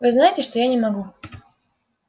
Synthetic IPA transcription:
vɨznajɪtʲɪʂt̪ojanʲɪmɐɡu

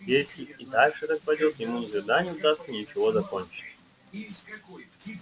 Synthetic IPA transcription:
pʲeɾʲsʲiit̪aʂɨt̪ak̚pɐdʲot̪jɪmunʲɪkɐɡd̪anʲɪʊd̪ast̪sənʲɪt͡ɕɪvozɐkonʲt͡ɕɪ̥t̪ʲ

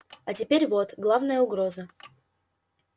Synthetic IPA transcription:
ɐtʲɪpʲeɾʲvo̞t̪ɡlˠavnəjəʊɡɾo̞zə

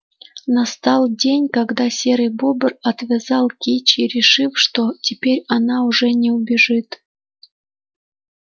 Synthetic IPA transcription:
nast̪ɑlˠdʲenʲkɑɡd̪asʲeɾɨjbobərɐt̪vʲɪzɑlˠkʲit͡ɕiɾʲɪʂɨfʂt̪otʲɪpʲeɾʲɐnɑuʐɛnʲɛubʲɪʐɨt̪

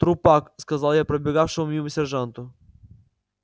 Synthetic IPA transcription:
t̪ɾʊpakskɐzalˠjapɾɐbʲɪɡafʂɨmʊmʲiməsʲɛrʐant̪ʊ

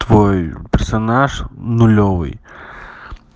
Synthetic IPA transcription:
t̪voɔjpʲərsɐnaʂnʊlʲovɨ̰j

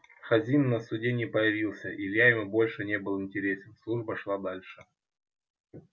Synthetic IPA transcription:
xɐzʲimnəsʊdʲenʲɪːpəjɪvʲilˠsʲəʔilʲjajɪmɨbo̞lʲʂɨnʲe̞bɨlˠɪnʲtʲɪɾʲesʲɪnslˠuʐbəʂlˠad̪alʲʂɨ

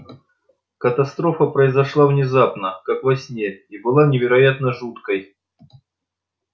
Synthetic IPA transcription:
kət̪ɐst̪ɾo̞fəpɾəɪzɐʂlˠavnʲɪzapnəkakvɐsʲnʲeibɨlˠanʲɪvʲɪɾɐjat̪nəʐut̪kəj

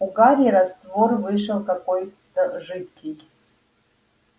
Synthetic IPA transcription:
uɡaɾʲiɾazt̪vorvɨʂɐlˠkakojd̪̥aʐɨt̪̚kʰʲij

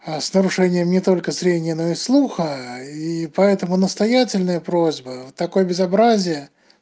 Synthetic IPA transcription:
asnəɾʊʂɛnʲɪjəmnʲɪt̪o̞lʲkəsɾʲenʲɪjəno̞ɪslˠuxəipɐɛt̪əmʊnəst̪ɐjætʲɪlʲnəjəpɾozʲbət̪ːɐko̞jəbʲɪzɐbɾazʲɪjə

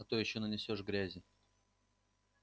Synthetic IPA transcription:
ɐt̪ojɪɕːonənʲɪsʲoʂɡɾʲæzʲɪ

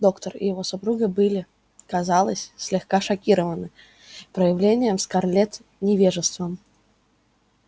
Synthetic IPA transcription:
d̪o̞kt̪ərɪ̰jɪvo̞sʊpɾuɡɨbɨlʲɪ | kɐzalˠəsʲsʲlʲɪxkaʂɐkʲiɾəvənːɨ | pɾəjɪvlʲenʲɪjəmskarlʲet̪ | nʲɪvʲeʐɨst̪vəm

